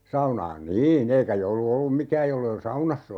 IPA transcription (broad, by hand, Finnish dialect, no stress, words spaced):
sɑunɑːn niːn eikæ joulu olːum mikæːj jolːei ol sɑunɑsː